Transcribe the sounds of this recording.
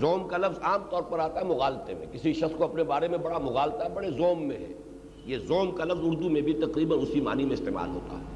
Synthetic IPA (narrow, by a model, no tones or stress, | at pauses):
zɔːmkalɐfzaːmt̪ɔːɾpɐɾaːt̪aɦɛmʊɣaːlt̪emḛ̃kɪsiʃɐskoɐpnebaːɾemẽbɐɽamʊɣaːlt̪aɦɛbɐɽezɔːmːḛ̃ɦɛ̰ː | jezɔːmkalɐfzʊɾd̪umẽbʱit̪ɐqɾiːbənʊsima̰ːnimẽɪst̪ḛːma̰ːlɦo̰ːt̪a̰ɦɛː